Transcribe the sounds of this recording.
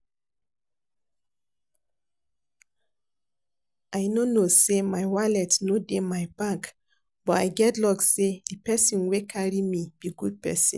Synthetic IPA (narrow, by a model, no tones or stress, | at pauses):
ajnonosemajwalɛtnodemajbak | b̥ɔta̰jɡɛtlɔksedipɛsĩnwekʰaɹimib̥iɡud̚pɛ̰sḭ̃n